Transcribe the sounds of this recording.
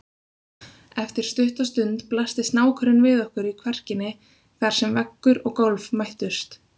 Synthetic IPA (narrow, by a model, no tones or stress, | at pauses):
ɛft̪ɪɾ̥st̪ʏht̪ast̪ʏnt̪plast̪ɪst̪naːwkʰœɾʏnvɪðɔhkʏɾikʰvɛr̥cɪnːɪ | θaɾ̥sɛmvɛkːʏɾɔɣkɔwlvmajht̪ʏst̪